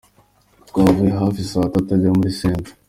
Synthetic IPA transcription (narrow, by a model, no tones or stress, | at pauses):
tkwaːvujeɦafisaβatatabɟamuɾisiːnzḁ